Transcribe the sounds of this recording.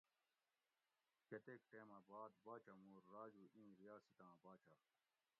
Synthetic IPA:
ket̪ekʈeːmɐbaːd̪̚baːt͡ɕɐmuːɾːaːd͡ʑuʔĩːɾijaːsit̪ãːbaːt͡ɕa

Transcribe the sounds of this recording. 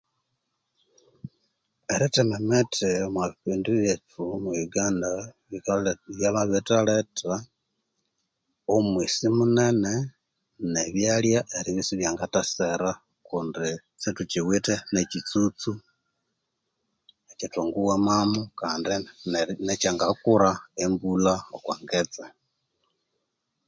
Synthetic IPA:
eɾitememetʰemwaβiːndujetumujuɡaːnda | iβjaβaβitaleta | omwisimunene | neβjaljaʔeɾiβisiβjaːŋɡataseɾa | kundi | t͡situt͡ʃiwitenecit͡sut͡su | ecituŋɡuwamamukaːndinet͡ʃaŋɡakuɾaembulaokwaːŋɡet͡se

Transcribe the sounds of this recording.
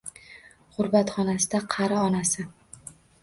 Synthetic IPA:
χʊɾbat̪χɒnasɪd̪aqʰɑɾaɒnasɪ

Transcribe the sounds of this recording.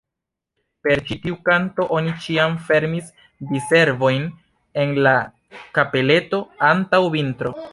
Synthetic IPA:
pe̞ɾt͡ʃitiukanto̞ʔo̞nit͡ʃiamfe̞ɾmis | dise̞ɾvo̞jn | e̞nla | kape̞le̞to̞antawvintɾo̞

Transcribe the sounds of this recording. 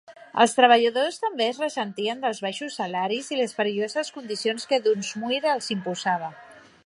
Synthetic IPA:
ə̰lˠst̪ɾəβ̞əʎəðost̪əmbeəzrəsənt̪iənd̪əlˠzβaʃusːalaɾiziləspəɾiʎozəskund̪isionskəðunzmuiɾəlˠzimpuzaβ̞ə

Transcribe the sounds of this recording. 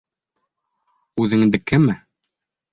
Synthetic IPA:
ʉðɘ̆ŋd̪ɘkɘmɘ

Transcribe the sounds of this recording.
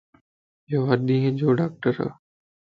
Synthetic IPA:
joaɗĩːɦd͡ʑoːɖaːk̚ʈəɾa̰

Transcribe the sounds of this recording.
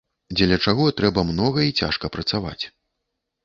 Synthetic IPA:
d͡zʲɛlʲɐt͡ʂaɣɔt̪ɾɛbɐmnɔɣɐit͡sʲa̰ʂkɐpɾɐt̪sava̰t͡sʲ

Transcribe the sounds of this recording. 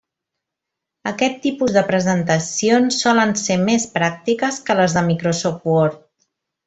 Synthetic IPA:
əkɛt̪ːipuzðəpɾəzənt̪əsionsːɔlənsemespɾak̚t̪ikəskələzðəmikɾosofwɔɾt̪̚

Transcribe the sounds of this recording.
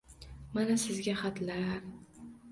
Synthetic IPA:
manasɪzɡʲaχat̪laɾ

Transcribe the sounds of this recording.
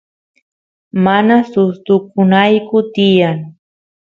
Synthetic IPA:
manasʊst̪ʊkʊnajkʊt̪ɪjaŋ

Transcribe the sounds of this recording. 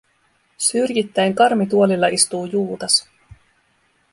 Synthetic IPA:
syrjit̪ːæjŋkɑrmit̪̬uolilːɑʔist̪uːjuːt̪ɑs

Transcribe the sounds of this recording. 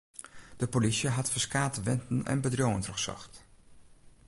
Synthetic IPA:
d̥əpolisjəɦɑtfəɹskaːtəʋɛntən̩ɛ̰nbədroŋəntrɔχsɔ̰χt

